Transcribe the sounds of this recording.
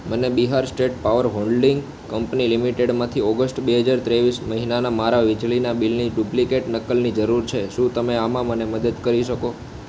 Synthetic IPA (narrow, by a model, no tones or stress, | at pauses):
mənebiɦaɾsʈeʈ̚paʋəɾɦoɳɖɖiŋɡ | kəmpnilimiʈeɽmãt̪ʰiɔɡəsʈbeɦəd͡ʒaɾt̪ɾeʋisməɦinanamaɾaʋid͡ʒlinabilniɖuplikeʈnəkəlnid͡ʒəɾuɾt͡ʃʰeʃũt̪əmeamãməneməd̪əd̪kəɾiʃəko